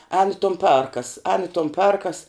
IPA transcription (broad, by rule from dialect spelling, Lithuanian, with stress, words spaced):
ɛːn ɪ toːn ˈpʲɛrkɐs ɛːn ɪ toːn ˈpʲɛrkɐs